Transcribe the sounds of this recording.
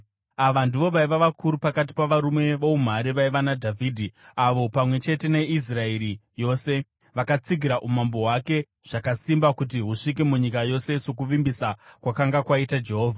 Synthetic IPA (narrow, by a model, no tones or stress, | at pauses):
aʋandiʋo̞ʋaiʋaʋakuɾupakat̬i̥paʋaɾume̞ʋoum̤aɾiʋaiʋanadʱavʱiːdʱiaʋo̞pamwe̞t͡ʃe̞te̞ne̞is̬raeɾijo̞ːse̞ | ʋakat͡siɡʱiɾaʔumambo̞ɦwake̞ | ʐ̥akasimbakut̬iɦuʂik̬emuɲikajo̞se̞so̞k̬uʋimbisakwakaŋɡakwaitad͡ʒe̞ɦo̞ːvʱa